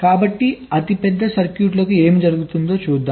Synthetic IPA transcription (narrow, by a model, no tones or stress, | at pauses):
kaːbɐʈːiɐt̪ipɛd̪ːɐsɐɾkjuːʈlɐkue̞ːmid͡ʒɐɾuɡut̪und̪o̞ːt͡ʃuːd̪ːaː